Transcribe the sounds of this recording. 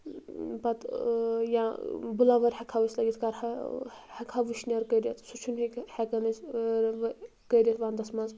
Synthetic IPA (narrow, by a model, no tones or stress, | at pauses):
pɐt̪jãbulaʋɐɾʲhɐkʰaʋɐsʲlɐɡʲit̪ʰkaɾɐhɐkʰaʋɨʃniɐɾkəɾjɐt̪ʰsut͡ʃʰunɦikhɛkɐnɐsɾ | kəɾʲjɐt̪ʋaːnd̪ɐsmɐnz